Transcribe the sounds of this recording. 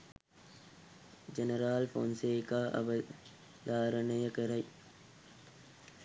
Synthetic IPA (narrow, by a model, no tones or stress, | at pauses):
d͡ʒɐnɐɾaːlfo̰ːnseːkaːʔɐ̰ʋɐ | d̪aːɾɐnɐjɐkɐɾɐj